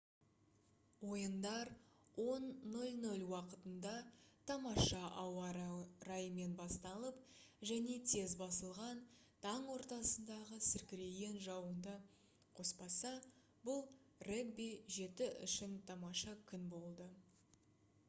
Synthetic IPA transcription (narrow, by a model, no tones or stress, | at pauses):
wo̞jənd̪ɑɾ | wo̞nːɵlʲnɵlʲwɑqət̪ənd̪ɑt̪ʰɑmɑʃɑʔɑwɑɾɑjəme̞nbɑst̪ɑlˠəp̚ | ʒæne̞t̪ʰe̞zbɑsəlˠʁɑn | t̪ʰɑɴwo̞ɾt̪ɑsənd̪ɑʁəsɪɾkʲɪɾe̞ɡe̞nʒɑwənd̪ə | qʰo̞spɑsɑ | bʊlˠ | rekbijʒe̞t̪ɪʔʏ̰ʃɪnt̪ʰɑmɑʃɑkʲʰʏnbo̞lˠd̪ə